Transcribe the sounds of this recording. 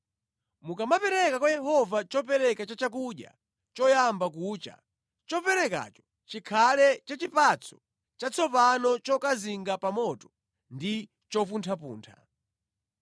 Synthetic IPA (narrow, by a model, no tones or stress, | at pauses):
mukamapɛɾɛkakwajɛɦɔvat͡ʃɔpɛɾɛkat͡ʃat͡ʃak̬uɗja̰ | t͡ʃɔjambak̬uːt͡ʃa̰ | t͡ʃɔpɛɾɛka̰t͡ʃɔ̥ | t͡ʃikʰalɛt͡ʃat͡ʃipat͡sʰɔ̥ | t͡ʃat͡sʰɔpanɔt͡ʃɔkaziŋɡapamɔtɔ̥ | ndi | t͡ʃɔpuntʰapṵːntʰa